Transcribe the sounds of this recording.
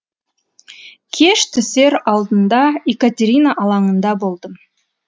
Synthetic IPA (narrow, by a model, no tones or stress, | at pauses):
kʲʰeʃt̪ʰʏse̞ɾɑlˠd̪ənd̪ɑekat̪ʲeɾʲinaʔɑlˠɑɴənd̪ɑbo̞lˠd̪əm